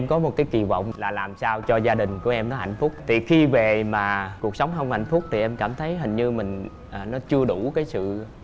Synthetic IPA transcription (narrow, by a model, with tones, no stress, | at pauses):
ʔɛ˧mkɔ˨˦mo˨˩t̚kaː˨˦jki˨˩və̰˧˨wŋ͡mlaː˨˩laː˨˩msaː˧wt͡ɕɔ˧zaː˧ɗï˨˩ŋ̟ku˧˩əʔɛ˧mnɔ˨˦ɦa˧˨jŋ̟fʊ˦˥k͡p̚t̪ʰi˨˩xi˧ve˨˩maː˨˩ku˨˩ək̚sə˨˦wŋ͡mɦə˧wŋ͡mha̰˧˨jŋ̟fʊ˦˥k͡p̚t̪ʰi˨˩ʔɛ˧mkaː˧˩mt̪ʰə˨˦jɦï˨˩ŋ̟ɲɨ˧mï˨˩ŋ̟ | ʔaː˨˩nɔ˨˦t͡ɕɨ˧əɗu˧˩kaː˨˦jsɨ̰˧˨